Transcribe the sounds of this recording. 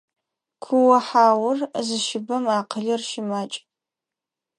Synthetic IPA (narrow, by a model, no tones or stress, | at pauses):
kʷʰʊwɐħaːwʊrzɨʃɪbɐmaːqəɮɐrʃɪmaːt͡ʃʼ